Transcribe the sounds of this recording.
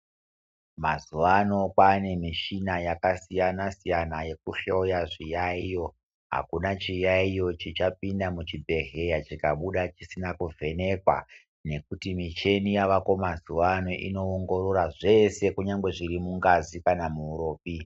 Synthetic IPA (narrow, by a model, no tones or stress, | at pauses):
mazuʋano̞kane̞miʃinajakasijanasijanaje̞k̚uʃo̞jaʐijaijo̞ | ɦa̰kunat͡ʃijaijo̞t͡ʃit͡ʃapindamut͡ʃibʱe̞ɦe̞jat͡ʃikaɓuɗat͡ʃisinakuvʱe̞ne̞kwa̰ | ne̞kutimit͡ʃe̞nijaʋako̞mazuʋano̞ʔḭno̞ːŋɡo̞ɾoɾaʐe̞se̞kuɲaŋɡwe̞ʐirimuŋɡazikanamuːɾo̞ːpi